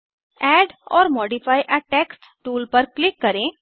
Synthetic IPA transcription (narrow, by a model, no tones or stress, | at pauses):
ɛɖɔ̰ːɾmɔːɖifaːjʔəʈeːksʈʈuːlpəɾklɪkːəɾẽ